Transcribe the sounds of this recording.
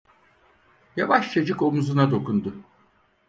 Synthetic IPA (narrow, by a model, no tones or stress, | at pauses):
javaʃt͡ʃʰad͡ʒɯko̞muzunad̪o̞kʰund̪ʊ